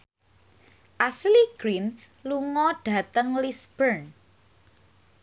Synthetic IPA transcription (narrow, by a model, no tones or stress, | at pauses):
ʔasliɡ̥ɾin | luŋɔɖ̥ä̤t̪əŋlisb̥ərn